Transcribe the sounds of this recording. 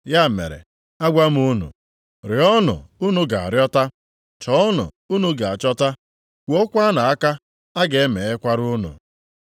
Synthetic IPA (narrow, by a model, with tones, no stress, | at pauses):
ja˦˨mḛ˨ɾḛ˨ | a˦ɡʷa˦m̩˦u˦nṵ˨ | ɾɪ˨ɔ˦nʊ̰˨u˦nu˦ɡa˨a̰˨ɾjɔ˦ta˦ | t͡ʃɔ˦ɔ˦nʊ̰˨ | u˦nu˦ɡa˨a˨t͡ʃɔ˦ta˦ | kʷo˦kʷa˦na˨a˦ka˦ | a˦ɡe˨e˦me˨e˦kʷa˦ɾu˦nṵ˨